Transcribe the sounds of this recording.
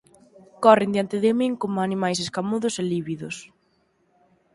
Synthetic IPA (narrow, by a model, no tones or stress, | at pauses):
kɔrɪnd̪jant̪ɪðɪmiŋkomʊanimajs̬eskamuðʊseliβiðʊs